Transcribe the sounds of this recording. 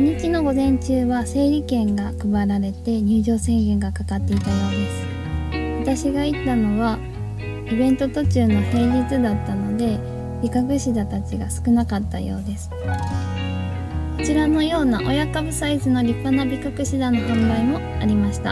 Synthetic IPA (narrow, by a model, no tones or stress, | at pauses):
ɲ̟ikʲino̞ɡo̞zẽ̞ɲ̟t͡ɕɨːβase̞ːɾʲikẽ̞ŋɡakɯ̟baɾaɾe̞t̪e̞ɲ̟ɨːʑo̞ːsẽ̞ŋɡẽ̞ŋɡakakat̪ːe̞it̪ajo̞ːd̪esɨ̥ | βat̪aɕiɡait̪ːano̞βa | ibẽ̞nt̪o̞t̪o̞t͡ɕɨːno̞he̞ːʑit͡sɨd̪at̪ːano̞d̪e̞ | bʲikakɯ̟ɕid̪at̪at͡ɕiɡa̰sɨ̥kɯ̟nakat̪ːa̰jo̞̰ːd̪e̞sɨ̥ | kot͡ɕiɾano̞jo̞ːnaʔo̞jakabɯ̟saizɨno̞ɾʲipːanabʲikakɯ̟ɕid̪ano̞ɦõmbaimo̞ | aɾʲimaɕi̥t̪a̰